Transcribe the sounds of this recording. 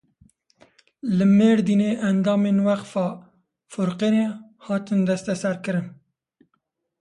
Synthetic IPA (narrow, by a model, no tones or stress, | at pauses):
lɨmeːɾd̪iːneːʔænd̪ɑːmeːnwæqfɑː | fʊɾqeneːhɑːt̪ɨnd̪ɛst̪ɛsɛɾkɨɾɨn